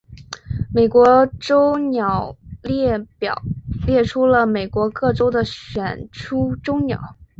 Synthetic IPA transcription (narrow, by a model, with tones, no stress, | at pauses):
me˨˩ɪkwɔ˧˥ʈ͡ʂo˥ʊnjɑ˨˩ʊlɛ˥˩pjɑ˨˩ljɛ˥˩ʈ͡ʂʰu˥lə˨me˨˩ɪkwɔ˧˥kɤ˥˩ʈ͡ʂo˥ʊd̪ə˨ɕɥɛ˨˩nʈ͡ʂʰu˥ʈ͡ʂo˥ʊnjɑ̰˨˩˦ʊ